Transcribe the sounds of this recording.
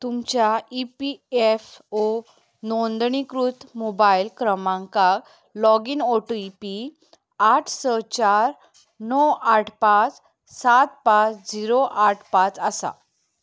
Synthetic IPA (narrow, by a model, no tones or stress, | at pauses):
t̪umt͡ɕjaipiefo | nɔnd̪ɳikɾut̪ʰmobailkɾəmãŋka | lɔɡinɔʈəipi | aʈʰsət͡ɕaɾ | nɔwaʈʰpat͡s | sat̪̚pãt͡sd͡ziɾoʔaʈʰpat͡səsa̰